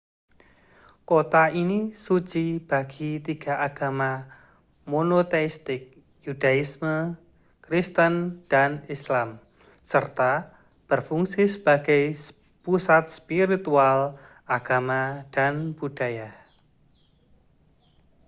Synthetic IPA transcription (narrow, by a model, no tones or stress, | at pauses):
kot̪aʔinisut͡ʃib̥a̤ɡ̥it̪iɡ̥a̤ʔaɡ̥ama | monot̪eist̪ɪk̚ | jud̥aismə | kɾist̪ənd̥anislam | sərt̪a | b̥ərfuŋsisəb̥aɡ̥aj | pusat̪̚spiɾit̪ual | aɡ̥amad̥anb̥ud̥a̤ja